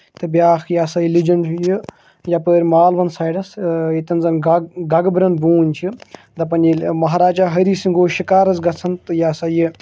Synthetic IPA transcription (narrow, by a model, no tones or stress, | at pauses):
t̪ɨbjaːxjaːsɐjilid͡ʒɐnji | japəːɾʲmaːlʋɐnsaːjɖɐsit̪ɐnzɐnɡɐɡbɾɐnbuːnʲt͡ʃʰi | d̪ɐpɐnʲimɐɦaɾaːd͡ʒaɦɐɾiːsiŋɡoːʃikaːɾɐzɡɐt͡sʰɐnt̪ɨjaːsɐji